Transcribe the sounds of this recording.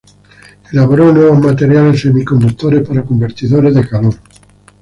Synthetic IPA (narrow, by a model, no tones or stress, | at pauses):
elaβoɾonweβozmat̪eɾjalesemikond̪ut̪ːoɾespaɾakombeɾt̪iðoɾezðekaloɾ